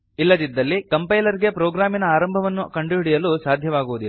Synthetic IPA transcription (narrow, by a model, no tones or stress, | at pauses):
ilːɐd̪id̪ːɐlːikɐmpɐjlɐɾiɡe̞pɾɔːɡɾaːminɐaːɾɐmbʱɐʋɐnːukɐɳɖuɦiɽijɐluːsaːd̪ʱjɐʋaːɡuʋud̪i